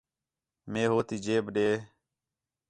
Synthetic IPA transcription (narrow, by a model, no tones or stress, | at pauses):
mẽːɦoːt̪iːd͡ʒeːbɗeː